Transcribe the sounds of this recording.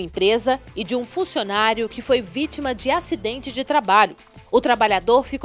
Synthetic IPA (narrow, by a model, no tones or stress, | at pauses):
ẽpɾezɐɪd͡ʒɪũfũsionaɾjʊkɪfojvit͡ʃimɐd͡ʒɪasid̪ẽnt͡ʃɪd͡ʒɪt̪ɾabaʎʊ | ʊt̪ɾabaʎad̪oɾfik